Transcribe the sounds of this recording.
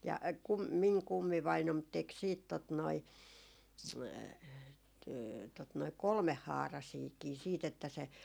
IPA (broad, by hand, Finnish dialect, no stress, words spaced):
jɑ kum miŋ kumːiʋɑinom tek siːt tot noi tot noi kolmehːɑːrɑsiːkiː siːt etːæ se